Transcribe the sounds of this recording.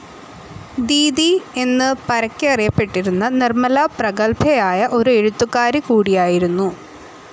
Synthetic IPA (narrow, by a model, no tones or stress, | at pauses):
d̪iːd̪ie̞nːɨpɐɾɐkʲːiɐrijɐpːe̞ʈːiɾunːɐnirmɐlaprɐɣɐlpʰɐjaːjɐʔo̞ɾueɻut̪ːukːaːɾikuːɽijaːjiɾunːu